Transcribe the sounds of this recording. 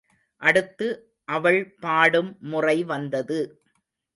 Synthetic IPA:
ʔɐɽɯt̪ːɯ | ʔɐʋɐɭpaːɽɯmːʊrɐɪʋɐnd̪ɐðɯ

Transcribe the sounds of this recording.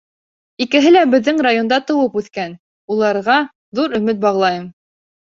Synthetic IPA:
ikɘ̆ɦɘlæbɘ̆ðːɘŋrajo̞nd̪ɑt̪ɤ̆wɤpʉθkæn | ulˠɑɾʁɑ | ðuɾɵ̆mɘt̪̚bɑʁlˠɑjɤm

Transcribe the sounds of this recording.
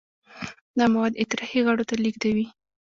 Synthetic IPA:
d̪amawad̪ɪt̪ɪɾɑhiɣaɽot̪aliɡd̪awi

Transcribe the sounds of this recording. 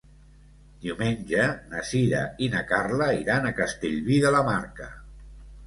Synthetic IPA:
d̪iuwmenʲʒənəsiðə̰inəkarləiɾanəkəst̪eʎβiðələmaɾkə

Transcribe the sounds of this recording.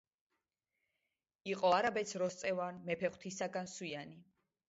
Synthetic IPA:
iqʼɔaɾabɛt̪sʰɾɔst̪sʼɛvanmɛpʰɛχwt̪ʰisaɡanswiani

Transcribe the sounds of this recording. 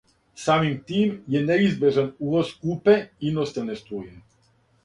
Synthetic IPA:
samimt̪iːmjɛnɛizbeʒanuʋoskupɛinɔst̪ɛnɛst̪ui

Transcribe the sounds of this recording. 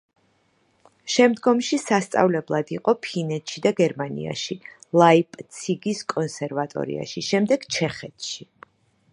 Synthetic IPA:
ʃɛmd̪ɡɔmʃisast̪sʼa̰vlɛblˠad̪iqʼɔpʰinɛt̪ʰʃid̪aɡɛɾmanḭa̰ʃilˠaipʼt̪sʰiɡiskʼɔnsɛɾvat̪ʼɔ̰ɾḭa̰ʃiʃɛmd̪ɛɡ̥t͡ʃʰɛχɛt̪ʰʃi

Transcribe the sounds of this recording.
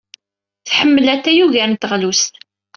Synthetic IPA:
θħəmːəlæt̪ːæjuʝænt̪ːəʁlust̪

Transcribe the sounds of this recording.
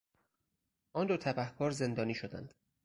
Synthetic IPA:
ʔɒːnd̪ot̪ʰæbæhkʰɒːɾze̞nd̪ɒːniːʃod̪æ̰nd̪̥

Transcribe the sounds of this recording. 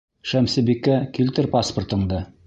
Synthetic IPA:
ʃæmsɘ̆bikːækilt̪ɘɾpaspŏrt̪ɤ̆ɴd̪ɤ

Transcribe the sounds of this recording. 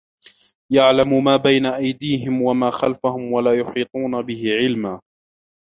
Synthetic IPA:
jaʕlamʊmaːbajnaʔajd̪iːɦɪmwamaːxalfahʊmwalaːjʊħiːt̪ˤuːnabɪhɪʕɪlmaː

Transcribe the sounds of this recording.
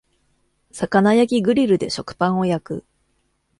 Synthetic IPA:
sakanajakʲiɡɯ̟ɾʲiɾɯ̟d̪e̞ɕo̞kɯ̥pãɰ̃o̞jakɯ̟̰

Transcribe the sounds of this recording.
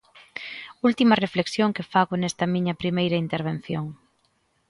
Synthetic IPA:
ult̪imɐrefleksjoŋkefaɣonɛst̪ɐmĩɲɐpɾimejɾɐint̪eɾβ̞en̟θjoŋ

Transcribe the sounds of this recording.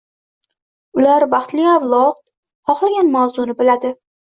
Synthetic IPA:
ʊlaɾbɑχt̪lɪavlˠɒt̪̚ | hɒχlˠaɡʲanmawzʊnɪbɪlad̪ɪ

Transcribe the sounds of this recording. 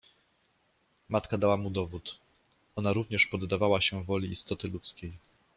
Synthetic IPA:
mat̪kad̪awamud̪ɔvut̪ | ɔnaɾuvɲɛʂpɔd̪ːavawaɕɛvɔlʲiist̪ɔt̪ɘlut̪skʲej

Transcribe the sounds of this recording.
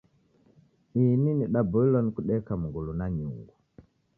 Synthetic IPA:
ininiɗabɔilɔnikuɗɛkamuɡulunaɲṵŋɡu

